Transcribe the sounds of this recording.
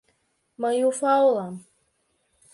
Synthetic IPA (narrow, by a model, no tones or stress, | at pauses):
məjufawlam